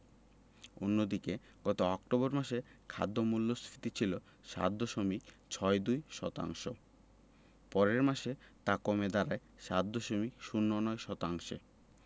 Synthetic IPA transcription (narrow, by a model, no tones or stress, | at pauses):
onːod̪ike | ɡ̥ɔt̪oɔk̚ʈobɔɾmaʃekʰa̰d̪ːomulːosɾit̪it͡ɕʰilo | ʃa̰t̪̚d̪oʃomik | t͡ɕʰɔed̪ujʃɔ̰t̪a̰ŋʃo̰ | pɔɾeɾmaʃet̪akomed̪aɾae | ʃat̪̚d̪ɔʃomikʃunːonɔeʃɔt̪aŋʃḛ